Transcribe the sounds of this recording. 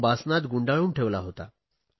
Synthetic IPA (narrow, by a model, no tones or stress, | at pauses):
basnat̪ɡuɳɖaɭuːɳʈʰeʋlaɦot̪a̰